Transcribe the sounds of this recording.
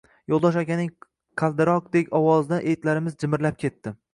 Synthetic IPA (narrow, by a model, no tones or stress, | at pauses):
jolˠd̪ɒʃakʲanɪŋ | qʰɑlˠd̪ɪɾɒq̚d̪ekʲɒwɒznaʔejt̪laɾɪmɪzd͡ʒɪmɪɾlap̚kʲe̞t̪ːɪ